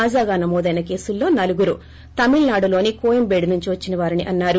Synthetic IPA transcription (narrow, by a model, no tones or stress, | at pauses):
aːd͡ʒaːɡaːnɐmɔːd̪ɐjnɐke̞ːsulːo̞ːnɐluɡuɾu | t̪ɐmiɭnaːɽulo̞ːnikoːjɐmbeːɖinuɲt͡ʃiʋɐt͡ʃːinɐʋaːɾiniʔɐnːaːɾu